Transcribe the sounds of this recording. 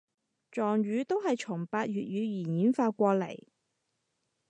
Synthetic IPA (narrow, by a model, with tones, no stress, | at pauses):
t͡ʃɔː˨ŋɥyː˨˧t̪o˥wɦɐ˨jt͡ʃʰʊ˨˩ŋpaː˧t̚jɥyː˨t̚ɥyː˨˧jiː˨˩njiː˨˥nfaː˧kʷɔː˧lɐ̰˨˩j